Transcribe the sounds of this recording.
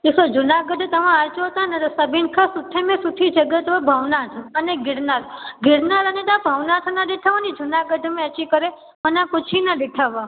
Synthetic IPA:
isod͡ʒunaɡəɖ̪ʱt̪əʋãat͡ʃoɦt̪ãned̪səbinkʰasuʈ̪ʰːemẽsuʈ̪ʰid͡ʒəɡət̪ʋabʱəʋnat̪ʰəneɡɪɽnaɾɡɪɽnaɾənet̪abʱəʋnat̪ʰnəd̪eʈʰaʋanid͡ʒunaɡəd̪ʱmẽət͡ʃikəɾe | mənãkʊt͡ʃʰinəd̪ɪʈʰaʋã

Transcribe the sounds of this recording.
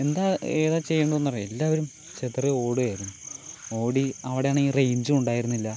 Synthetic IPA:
e̞nd̪aːeːðaːt͡ɕe̞jːeːɳɖɐðonːɐʋarelːaːʋɐɾum | t͡ɕet̪reo̞ːɽɨaːjiɾunːuo̞ːɽiɐʋiɽejaːɳiːrejɲd͡ʑɨuɳɖaːjiɾunːilːɐ

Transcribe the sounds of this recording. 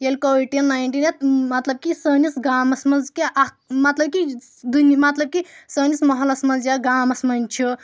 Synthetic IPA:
jelkoʋiʈ̚ʈinːajɳʈinet̪mɐt̪lɐb̚kisəːnisɡaːmɐsmɐnzkeʔa | mɐt̪lɐb̚ki | d̪unmɐt̪lɐb̚kisəːnismɐɦɐlɐsmɐnzjaɡaːmɐsmɐnt͡ʃʰu

